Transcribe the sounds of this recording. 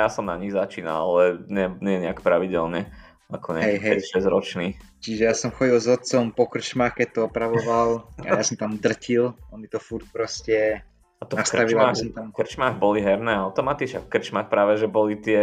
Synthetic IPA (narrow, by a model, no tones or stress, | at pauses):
jasɔmnaɲiɣzat͡ʃiːna̰lalɛɲɪɛɲɪɛɲɛakpɾaʋiɟɛlɲɛ | akʰɔɲɛaaɛkiɦɛɛʃɛzɾɔt͡ʃniːt͡ʃiʒɛjasɔmxɔɟilˠzɔt̪̚t͡sɔmpɔkr̩t͡ʃmaːxkɛc̚t̪ɔɔpɾaʋɔʋalˠa̰jasɔmt̪amd̪r̩cʰilɔnmit̪ɔfuɾt̪̚pɾɔscɛ | at̪ɔnask̪aʋiilaɔmt̪amkr̩t͡ʃmaɣbɔliɦɛɾnɛːaʊt̪ɔmat̪iʃafkr̩t͡ʃmaxpɾaːʋɛʒɛbɔlit̪ɪɛ